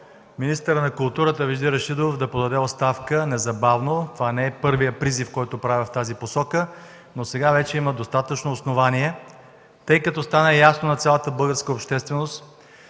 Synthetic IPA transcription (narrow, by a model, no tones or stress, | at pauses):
minist̪əɾənɐkʊlˠt̪uɾət̪əviʒd̪iɾɐʃid̪ofd̪ɐpod̪ɐd̪ɛot̪st̪afkənɛzɐbavnot̪ovanɛɛpɤɾvijəpɾizifkɔjt̪opɾavʲɛft̪aziposɔkə | nosɛɡavɛt͡ʃɛiməd̪ost̪at̪ət͡ʃnoːsnovaniɛ | t̪ɤjkɐt̪ɔst̪anəjasnonɐt̪sʲjalˠət̪əbɤlˠɡəɾskəopʃt̪ɛst̪vɛnost̪